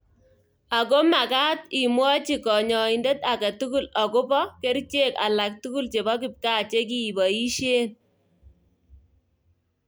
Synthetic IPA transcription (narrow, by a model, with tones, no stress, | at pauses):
a˨ko˦ma˨kaː˦t̚i˨mwɔ˦t͡ʃi˨kɔ˨ɲɔ˨i˨ndɛ˦ta˨ka˨tu˦ku˦lɔ˨ko˦pɔ˦ke˦ɾt͡ʃe˦ka̰˨la˨k̚tu˦ku˦lt͡ʃe˨bɔ˦k̬ɪ˨p̚kaː˦t͡ʃe˦k̬i˨bɔ˨i˦ʃeː˦n